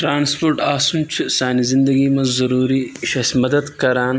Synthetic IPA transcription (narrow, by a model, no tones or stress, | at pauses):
ʈɾaːnspoɾʈaːsumt͡ʃʰisaːnizɪnd̪ɐɡimɐzzɐɾuːɾiʃɐsmɐd̪ɐd̪kɐɾaːn